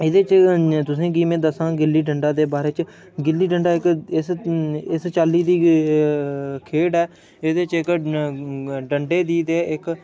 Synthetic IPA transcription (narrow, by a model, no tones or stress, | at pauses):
ɪd̪eːt͡ʃt̪ʊsĩːɡiːmẽːd̪əsãːɡɪlːiːɖəɳɖaːd̪eːbaːɾeːt͡ʃ | ɡɪlːiːɖəɳɖaːɪkɪsɪst͡ʃaːlːiːd̪iː | kʰeːɽɛː | ɪd̪eːt͡ʃɪk | ɖəɳɖeːd̪iːd̪eːʔɪk